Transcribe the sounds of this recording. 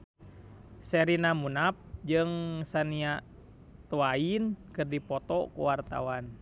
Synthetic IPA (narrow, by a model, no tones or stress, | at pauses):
sɛɾinamunap̚d͡ʒɨŋsaniaʔ | t̪uainkɨrdipɔt̪ɔkṵwart̪a̰wan